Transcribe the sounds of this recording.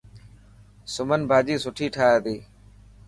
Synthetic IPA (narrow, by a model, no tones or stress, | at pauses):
sʊmənbʱaːd͡ʒiːsʊʈʰiːʈʰaːaːd̪iː